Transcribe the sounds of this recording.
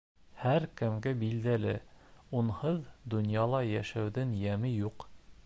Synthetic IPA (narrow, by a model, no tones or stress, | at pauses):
hæɾkɘ̆mɡɘbild̪ælɘunhɤðd̪ŏnjɑlˠɑjæʃæwðɘŋjæmɘjuq